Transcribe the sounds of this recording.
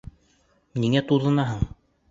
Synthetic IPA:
niŋæt̪uðɤ̆nɑɦɤɴ

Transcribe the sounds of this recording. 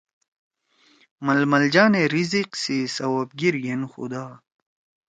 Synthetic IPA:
mɐlmɐld͡ʑaːneɾiziqsisɐwab̚ɡiɾjenxṵd̪aː

